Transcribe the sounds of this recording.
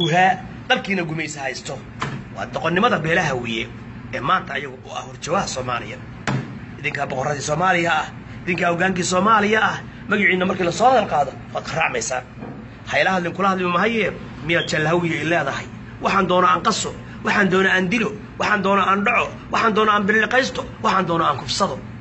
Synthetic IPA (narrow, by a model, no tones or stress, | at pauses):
ʊɦaː | d̪ɐlkʰiːnɐɡʊmɛjsɐhɛjst̪ʰɔ | wɑ̰ːd̪ɔqɔnːɪmɐðɐbɛːlɐɦɐwijɛ | ɛːmaːnt̪ʰɐːjɐɣʊʔʊ̰ɐ̰hhʊrt͡ʃɔwahsɔːma̰ːlɪ̰jɐ | ʔɪðɪŋkʰaːbɔqɔrɐðiːsɔːmaːlɪjɐɐh | ɪðɪŋkʰaːhɔɡaːŋkiːsɔːmaːlɪjɐɐh | mɐɣɪʕiːnːɐmɐrkʰiːlɐsɔːhɐðɐlqɑːðɔwɑaːd̪̚kɑraːʕmɛjsa̰ːn | hɐjlɐhɐd̪lɪŋkʰʊlɐhɐd̪lɪmɐɦɐjɛː | mɪjat͡ʃɛlːɦɐwɪjɛjlɛːðɐɦɐj | wʔɑħɑaːnd̪ɔːnɔaːŋqɑsɔ | wɑħɑːnd̪ɔːnɔaːnd̪ɪlɔ | wɑħɑːnd̪ɔːnɔʔaːnɖɑʕɔ | wɑħɑːnd̪ɔːnɔaːmbɪlɪqɛjst̪ʰɔwɑħɑːnd̪ɔːnɔaːŋkʰʊfsɐðɔ